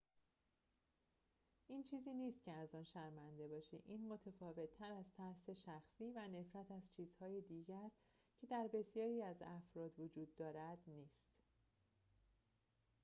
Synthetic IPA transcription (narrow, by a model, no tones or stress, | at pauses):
ʔiːnt͡ʃʰiːziːniːst̪̚cʰeæzɒːnʃæɾmænd̪e̞bɒːʃḛʔiːnmo̞t̪ʰefɒːve̞t̪ʰːæɾæzt̪ʰæɾse̞ʃæxsiːvæne̞fɾæt̪ʰæz̥t͡ʃʰiːz̥hɒːjed̪iːɟæɾ | cʰe̞d̪æɾbe̞sjɒːɾiːæzæfɾɒːd̪vod͡ʒuːd̪ːɒːɾæd̪niːst̪